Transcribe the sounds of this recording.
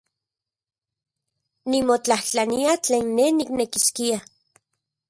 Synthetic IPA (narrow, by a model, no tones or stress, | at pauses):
nimot͡ɬaht͡ɬaniat͡ɬeːnːeniknekiskia